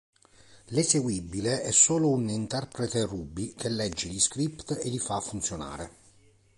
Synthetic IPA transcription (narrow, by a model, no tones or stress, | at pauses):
leseɡwibileɛsːoːlounint̪ɛrpɾet̪eruːbːikʰelːɛd͡ʒːeliskɾipt̪elifafːunt̪sjona̰ːɾe